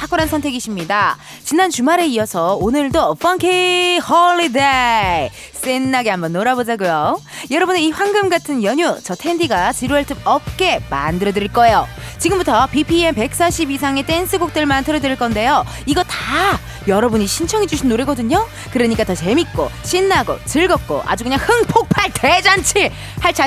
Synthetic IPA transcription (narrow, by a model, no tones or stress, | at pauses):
tʰak͈ʰuɾansʰʌntʰe̞ɡiɕʰimɲida | t͡ɕinant͡ɕumaɾe̞iʌsʰʌonɯɭdoʌf͈ʌnkʰehʌɭide | s͈enːaɡeɦambʌnːoɾabod͡ʑaɡujojʌɾʌbunɯiɸwanɡɯmɡatʰɯnjʌɲut͡ɕʌtʰendiɡat͡ɕiɾoeɭtʰɯb̚ʌp̚k͈e̞ma̰ndɯɾʌdɯɾiɭk͈ʌejo | t͡ɕiɡɯmbutʰʌpipʰienpe̞k̚s͈aɕʰibis̬ʰaŋet͈ensʰɯɡok̚t͈ɯɭmantʰɯɾʌdɯɾiɭk͈ʌnde̞jo | iɡʌta | jʌɾʌbuɲiɕʰint͡ɕʰʌŋid͡ʑuɕʰinːoɾeɡʌdɯɲo | kɯɾʌɲik͈atʌt͡ɕe̞mik̚k͈o̰ɕʰinːaɡo̰t͡ɕɯɭɡʌk̚k͈o̰ʔa̰d͡ʑukɯɲaŋhɯŋpʰok̚pʰaɭted͡ʑant͡ɕʰi | haɭt͡ɕʰa